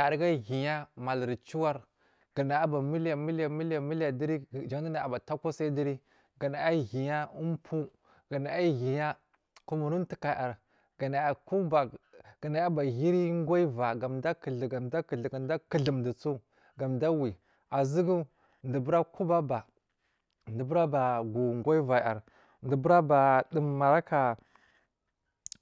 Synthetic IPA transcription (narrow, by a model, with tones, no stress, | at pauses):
a˨ɾɡa˦ɣi˨ɲa˦ma˨lɾi˨t͡ʃu˦wa˦ɾ | ɡ̥ə˨na˨a˦ba˨mi˦la˨mi˦lja˨mi˦lja˨mi˦lja˨di˦ɾi˦˨d͡ʒa˨˦i˦na˨a˨ba˨ta˦ka˦sa˦di˦ɾi˦ | ɡa˨na˨a˦ɣi˨ɲa˦u˦m˦pʰu˦ | ɡ̥a˨na˨a˦ɣi˨ɲa˦ | ku˦mu˨ɾu˦n˦ti˨ka˨ʔa˨ɾ | ɡa˨na˨a˨ku˦ba˨ɡ̥a˨na˨˦a˦ba˨ɣi˦ɾi˦ŋ˦ɡo˦i˦va˨ɡa˨mda˦ki˨ɮɡa˨da˦kɡda˦ki˨ɮə˨mndi˨t͡su˦ | ɡa˨mda˦wi˨ | a˨zi˦ɡu˦ | ndi˨bu˦ɾa˦ku˦ba˦ba˨ | ndi˨bu˦ɾa˦ba˨ɡu˨ŋɡo˦i˦va˨a˨ɾ | ndi˨bu˦ɾa˦ba˨di˨mːa˨ɾa˦ka˨